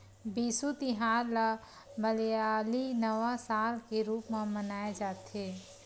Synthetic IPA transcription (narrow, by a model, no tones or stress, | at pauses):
biːsut̪ɪɦaːɾla | məljaːlinəʋasaːlkeɾuːpmãmənaːed͡ʒaːt̪ɦeː